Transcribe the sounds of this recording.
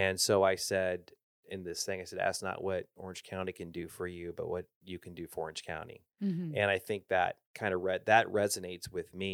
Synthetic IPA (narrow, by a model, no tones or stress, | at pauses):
ɨ̃nsoʊaɪsɛɾ | ɨ̃nðɪsθɪ̃ŋaɪsɛdæ̰tsnə̰ʔwʌɾɔɹɨ̃nʒ̥kʰãʊ̃ɾ̃ikʰɨ̃ndɨfə˞jʉbʌ̰ʔ̚wʌt͡ʃɨkʰn̩dɨfə˞ɔ̰ɹɨ̃nʒ̥kʰã̰ʊ̃ntḭ | ɨ̃ɾ̃aɪθɪ̃ŋk̚ðɨ̰t̚kʰãɪ̃ndəɹɛt̚ðɨʔ̚ɹɛzɨneɪtswɪðmi